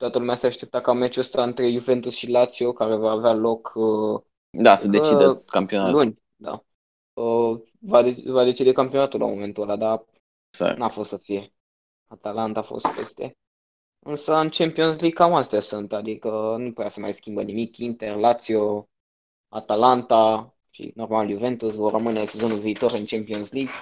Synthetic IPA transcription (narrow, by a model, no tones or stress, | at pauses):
t̪oat̪əlumeaseaʃt̪e̞p̚t̪akamet͡ʃost̪aɨnt̪ɾe̞juve̞nt̪usʃilat̪sio̞kaɾe̞vaːvealo̞kə | d̪asəd̪et͡ʃiəkampionalunʲ | d̪a̰ | ə | vad̪evad̪e̞t͡ʃid̪e̞kampio̞nat̪ula̰mo̞me̞nt̪uolad̪a | sa̰nafo̞st̪səfije̞ | at̪alant̪aːfo̞̰st̪̚pe̞̰st̪e̞̰ | ɨnsəɨnt͡ʃe̞mpio̞nsliɡ̚kamast̪easunt̪ad̪ikənuput̪easəmajskʲimbənimikint̪e̞rlat̪sio | at̪alant̪a | ʃḭno̞rmaljuve̞nt̪usvorrəmɨnese̞zo̞nulviːt̪o̞ɾɨnt͡ʃempionsliɡ